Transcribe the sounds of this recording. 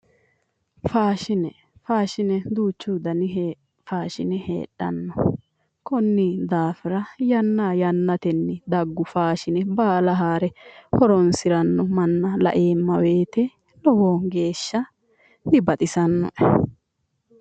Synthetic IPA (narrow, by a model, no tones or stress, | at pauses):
faːʃɪnɛ | faːʃɪnɛd̪uːt͡ʃːuːd̪ɐnɪɦ | faːʃɪnɛhḛːɗːɐ̰nːɔ | kɔnːid̪aːfɪɾɐjɐnːaːjɐnːɐt̪ɛnːɪd̪ɐɡːʊfaːʃɪnɛbaːlɐɦaːɾɛhɔɾɔnsɪɾɐnːɔmɐnːɐlɐ̰ʔe̞ːmːɐwe̞ːt̪ɛ | lɔwoːŋɡe̞ːʃːɐ | d̪ɪbɐt̪ʼɪsɐnːɔ̰ʔɛ